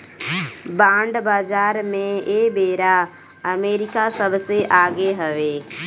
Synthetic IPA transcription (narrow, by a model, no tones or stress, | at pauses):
bãːɳɖbaːd͡ʒaːɾmẽeːbeːɾa | əmeːɾɪkasəbseʔaːɡeɦəʋeː